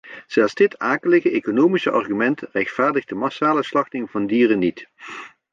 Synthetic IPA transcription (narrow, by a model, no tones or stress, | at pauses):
z̥ɛlˠzdɪtaːkələɣəekonowmisəʔɑ̰rɣymɛntrɛxtfaːɹdəɣdəmɑsaːləslɑxtɪŋvɑndiːrənit